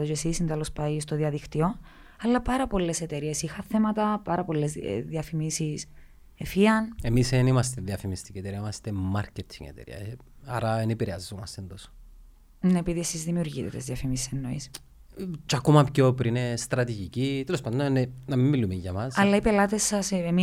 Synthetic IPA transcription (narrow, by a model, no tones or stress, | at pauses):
ot͡ʃesisint̪elospɐist̪oðiɐðikt̪io | ɐlːɐpɐɾɐpo̞lːe̞se̞t̪e̞ɾie̞sixɐθemɐt̪ɐpɐɾɐpo̞lːe̞zðiɐfimisis | efiɐnemisenimɐst̪eðiɐfimist̪i̥cit̪eɾiɐimɐst̪emːɐɾcet̪ʰiŋḛt̪ḛɾḭɐ̰ | ɐɾɐenepiɾeɐzːomɐst̪end̪os | nepiðiesizðimiuɾʝit̪t̪ezðiɐfimisi̥senːoḭs | t͡ʃɐkomɐpçopɾinest̪ɾɐt̪iʝicit̪elospɐnd̪onnenɐmimːilumeʝɐmɐsɐlːɐipe̞lɐt̪esːɐsemi